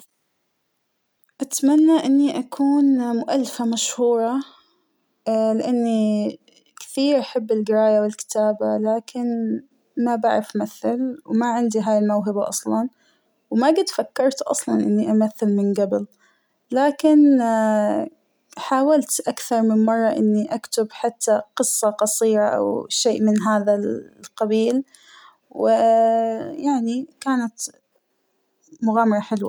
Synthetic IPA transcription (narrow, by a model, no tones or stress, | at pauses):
ʔat̪manːaʔɪnːiʔakʰuːnmʊʔalːɪfamaʃhuːɾˤɑ | lɪʔanːi | kɪ̥θiːɾʔaħabːɪlɡɪɾaːjawɪlkɪ̥t̪aːbalaːkʰɪn | mabaʕɾɪfʔamaθːɪlwmaʕɪnd̪iɦaːjɪlmawɦɪbaʔɑ̰sˤlɑn | wmaɡɪd̪fakːɑɾˤt̪ʔɑ̰sˤlɑnʔɪ̰nːiʔamaθːɪlmɪnɡabɪl | laːkɪn | ħaːwalt̪ʔakθɑɾˤmɪnmɑrˤːɑʔɪ̰nːiʔakt̪ɪbħat̪ːaqɨsˤːɑqɑsˤiːɾˤɑʔa̰wʃeːʔmɪnɦaːðalqɑbiːl | wɪ | jaʕnikaːnat̪ | mʊɣaːmɑɾˤɑħɪlwa